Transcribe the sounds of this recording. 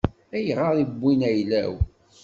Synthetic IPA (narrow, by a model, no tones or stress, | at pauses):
æjʁəɾˤibʷːinæjlæ̰w